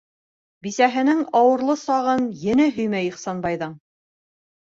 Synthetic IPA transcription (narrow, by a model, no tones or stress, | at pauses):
bisæɦɘ̆nɘŋɑwɤ̆ɾlˠɤsɑʁɤnjɘ̆nɘɦɵ̆jmæjiχsɑnbɑjðɤɴ